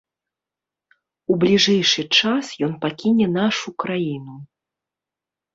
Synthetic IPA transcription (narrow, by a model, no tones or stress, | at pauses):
ublʲiʐɛjʂɨt͡ʂasjɔn̪pakʲinʲɛnaʂukɾajinu